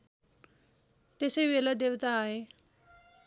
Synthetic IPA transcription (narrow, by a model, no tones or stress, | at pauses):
t̪eseʋeləd̪eʋt̪aːɦe